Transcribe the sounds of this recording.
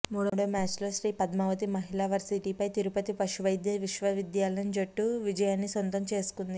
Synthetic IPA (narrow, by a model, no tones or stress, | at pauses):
muːɽoːɽɐmaːt͡ʃlɐsɾiːpɐd̪mɐʋɐt̪imɐɦilaːʋɐɾsiʈipɐjt̪iɾupɐt̪ipɐʃuʋɐjd̪jɐʋiʃʋɐʋid̪jaːlɐjɐnd͡ʒɐʈːuʋid͡ʒɐjaːnːisɐnt̪ɐmt͡ʃe̞ːsu̥kund̪i